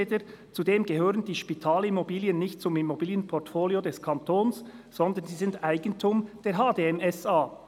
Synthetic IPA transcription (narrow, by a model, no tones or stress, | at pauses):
dət͡sudeːmɡɛɦøːʁəndiːʃpitʰaːlimobiːliənːɪçt̚t͡sʊmimobiːljənpʰɔʁtfoːljodɛskʰɑntʰoːnsz̥ɔnd̪ənziːzɪndaɪɡ̥ən̩tʰumd̥eːɐɦaːdeːɛmɛsaː